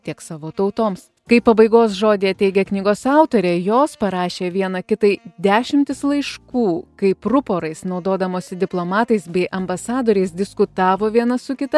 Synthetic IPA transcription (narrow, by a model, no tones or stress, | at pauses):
t̪ʲiɛksɑːʋoːt̪ɐʊt̪oːms | kɐɪpɐbɐɪɡoːsʒoːd̪ʲeːɐt̪ʲɛɪɡʲɛknʲɪɡoːsɑˑʊt̪oːɾʲeːjoːspɐɾɑːʃʲeːʋʲiɛnɐkʲɪt̪ɐɪd̪ʲæːʃʲɪmʲt̪ʲɪslˠɐɪʃkuːkɐɪpɾʊpoːɾɐɪsnɒʊd̪oːd̪ɐmoːsʲɪd̪ʲɪplˠoːmɑːt̪ɐɪsbʲɛɪʔɐmbɐsɑːd̪oːɾʲɛɪsd̪ʲɪskʊt̪ɑːʋoːʋʲiɛnɐsʊkʲɪt̪ɐ